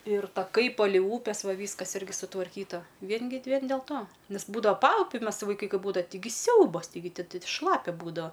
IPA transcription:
ɪr tɐˈkɐɪ ˈpɑːlʲɛɪ ˈuːpʲɛs ˈʋɐ ˈʋʲiːskɐs ˈɪrʲɡʲɪ sʊtʋɐrʲˈkʲiːtɐ ˈʋʲiɛn ɡʲɪ ˈʋʲiɛn dʲɛlˠ ˈtoː ˈnʲɛs ˈbuːdɐʋɐ ˈpɐʊpʲʊ ˈmʲɛs ʋɐɪˈkɐɪ ˈkɐɪ ˈbuːdɐʋɐ tʲɪˈɡʲɪ ˈsʲɛʊbɐs tɐɪˈɡʲɪ ˈtʲɪ ˈtʲɪ ˈʃlˠɑːpʲɛ ˈbuːdɐʋɐ

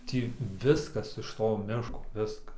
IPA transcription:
ˈtʲiː ˈʋʲɪskɐs ɪʃ ˈtoː ˈmʲɪʃkoː ˈʋʲɪskɐs

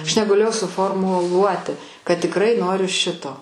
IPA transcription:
ɐʃ nʲɛɡɐˈlʲeːjɛʊ sʊˌfoːrˌmʊˈlˠuɔtʲɪ kɐt tʲɪkˈrɐɪ ˈnoːrʲʊ ˈʃʲɪtoː

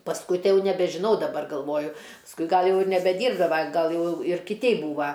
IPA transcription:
pɐsˈkʊɪ ˈtɐɪ ˈjɛʊ nʲɛbʲɛʒʲɪˈnɐʊ dɐˈbɐr ɡɐlˠˈʋoːjʊ pɐsˈkʊɪ ˈɡɐlˠ ˈjɛʊ ɪr nʲɛbʲɛˈdʲiːrbdɐʋɐ ˈɡɐlˠ ˈjɛʊ ɪr kʲɪˈtʲɛɪ ˈbuːʋɐ

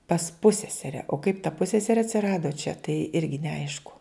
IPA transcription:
pɐs ˈpʊsʲsʲɛsʲɛrʲɛ oː kɐɪp tɐ ˈpʊsʲsʲɛsʲɛrʲeː ɐtʲsʲɪˈrɑːdoː t͡ʃʲɛ tɐɪ ˈɪrʲɡʲɪ nʲɛˈɐɪʃkʊ

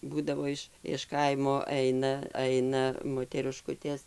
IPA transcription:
ˈbuːdɐʋoː ɪʃ ɪʃ ˈkɐɪmoː ˈɛɪnɐ ˈɐɪnɐ moːtʲɛrʲɪˈʃkʊtʲeːs

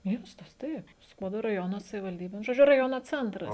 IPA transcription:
ˈmʲiɛstɐs ˈtɐɪp ˈskuɔdoː rɐˈjoːnoː sɐʋʲɪʋɐlʲˈdʲiːbʲeː nʊ ʒoːˈd͡ʒʲʊ rɐˈjoːnoː ˈt͡sʲɛntrɐs

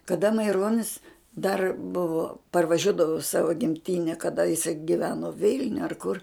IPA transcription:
kɐdɐ mɐɪˈroːnʲɪs dɐr ˈbʊʋoː pɐrʋɐˈʒʲuɔdɐʋʊ ɪ ˈsɑːʋoː ɡʲɪmʲˈtʲɪnʲɛ kɐˈdɐ jɪˈsɐɪ ɡʲɪˈʋʲæːnoː ˈʋʲɪlʲnʲʊ ɐr kʊr

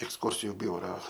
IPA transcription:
ɛksˈkʊrʲsʲɪjʊ ˈbʲʊrɐ

